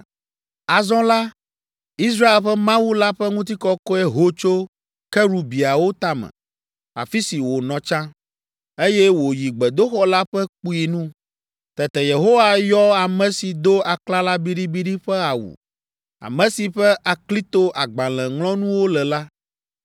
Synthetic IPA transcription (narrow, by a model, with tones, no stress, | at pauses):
a˨zɔ̃˦la˦ | i˦s̬ɾa˦e˨lɸɛ˦mã˦wu˦la˦ɸɛ˦ŋũ˦t̪i˦kɔ˦kɔ˦ɛ˦ɦo˦t͡ʃo˦ | kɛ˦ɾu˨bi˨a˨wo˦t̪a˦mɛ̰̃˨ | a̰˨fi˦si˨wo˨nɔ̃˨t͡ʃã˦ | e˦jɛ˦wo˨ji˨ɡ͡bɛ˨d̪o˦xɔ˦la˦ɸɛ˦k͡pu˦i˨nũ˦ | t̪ɛ˨t̪ɛ˨je˨ɦo˦wa˦jɔ˦a˨mɛ̃˨si˨d̪o˦a˨k͡pla˦la˦bi˦ɖi˦bi˦ɖi˦ɸɛ˦a˨wṵ˨ | a̰˨mɛ̃˨si˨ɸɛ˦ʔa˨kli˦t̪o˦ʔa˨ɡ͡bã˨lɛ̃˨ŋlɔ̃˦nũ˦wo˦lɛ˨la˦